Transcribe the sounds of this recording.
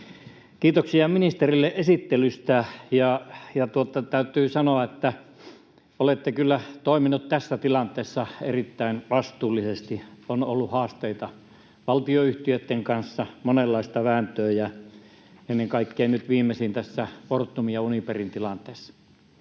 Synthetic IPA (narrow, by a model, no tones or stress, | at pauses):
kiːt̪oksiɑminist̪erilːeʔʔesit̪ːelyst̪æjɑjɑt̪uot̪ːɑt̪æyt̪ˑyːsɑnoɑet̪ːæ | olet̪ːekylːæt̪oˑiminut̪t̪æsːæt̪ilɑnt̪ˑeˑːsːɑḛrit̪ːæinʋɑst̪uːlːisest̪ionolːuhɑːst̪eit̪ɑ | ʋɑlt̪ioyht̪iøt̪ːeŋkɑnsːɑmonelːɑist̪ɑʋæːnt̪øːjɑ | enːeŋkɑikːeːnnyt̪ʋiːmːˑesint̪æsːæport̪ːumijɑuniperint̪ilɑnt̪ˑeːsːɑ̥